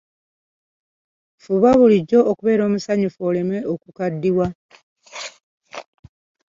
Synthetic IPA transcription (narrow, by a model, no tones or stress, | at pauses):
fuβaβuliɟːo̞ʔːkuβe̞ːɾo̞ːmusaɲufuoːleme̞okukadːiwa